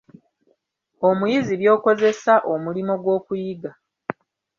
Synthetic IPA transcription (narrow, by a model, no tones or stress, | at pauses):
o̞mujiziβjo̞ːko̞ze̞saʔo̞mulimo̞ɡwo̞ːkujiɡa